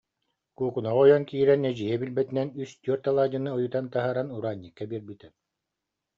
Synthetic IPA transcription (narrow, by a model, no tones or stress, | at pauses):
kuːkunaʁɔjɔnkiːɾɛnɛd͡ʑijɛbilbɛt̪inɛnyst̪yœɾt̪alˠaːd͡ʑɯnɯɔjut̪ant̪aɦaːɾanuɾaːɲʲːikːabiɛɾbyt̪ɛ